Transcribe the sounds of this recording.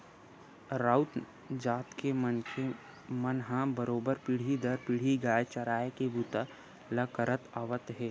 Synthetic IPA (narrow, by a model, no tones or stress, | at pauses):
ɾaːʊt̪ | d͡ʒaːt̪ke | mənɦãbəɾoːbəɾpɪɽ̤id̪əɾpɪɽ̤iɡaːjt͡ʃɐɾaːekebut̪a | ləkəɾət̪aːʋət̪ɦɛː